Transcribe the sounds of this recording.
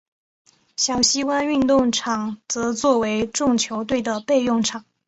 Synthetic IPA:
ɕjɑ˨˩ʊɕi˥kwa˥ny˥˧nt̪ʊ˥˩ŋʈ͡ʂʰɑ˨˩ŋt͡sɤ˧˥t͡swɔ˥˩we˧˥ɪʈ͡ʂʊ˥˩ŋt͡ɕʰjo˧˥ʊt̪we˥˩ɪd̪ə˩pe˥˧ɪjʊ˥˩ŋʈ͡ʂʰɑ˨˩˦ŋ

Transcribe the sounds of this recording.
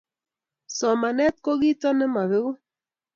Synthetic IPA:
sɔ˨ma˨nɛ˦t̪̚ko˦ɣi˦tɔ˦nɛ˦ma˨βe˦w

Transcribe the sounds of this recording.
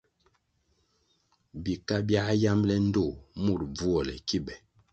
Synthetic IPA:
bi˨ka˦bja˦ja˦mlɛ˦n̩˦do˦˨mu˦˨ɾ̚b͡vu˦ɔ˨lɛ̰˨ki˦bɛ˨

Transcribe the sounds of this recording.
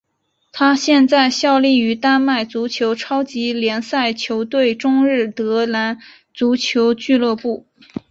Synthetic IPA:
t̪ʰa˥ɕjɛ˥˧nt͡sa˥˧ɪɕjɑ˥˧ʊli˥˩y˧˥t̪a˥nma˥˩ɪt͡su˧˥t͡ɕʰjo˧˥ʊʈ͡ʂʰɑ˥ʊt͡ɕi˧˥ljɛ˧˥nsa˥˩ɪt͡ɕʰjo˧˥ʊt̪we˥˩ɪʈ͡ʂʊ˥ŋɻɻ̩˥˩t̪ɤ˧˥na˧˥n | t͡su˧˥t͡ɕʰjo˧˥ʊt͡ɕy˥˧lɤ˥˧pu˥˩

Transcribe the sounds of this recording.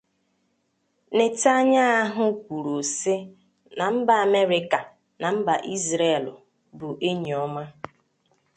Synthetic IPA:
nɪ˨ta˦ɲa˦a˦ɦʊ˦kʷu˨ɾo˨sɪ˦ | na˨m̩˦ba˨a˨me˦ɾɪ˦ka˨ | na˨m̩˦ba˨ʔi˦zɾe˦˨lʊ˨ | bʊ˨ʔe˦ɲ˨ɔ˦ma˦

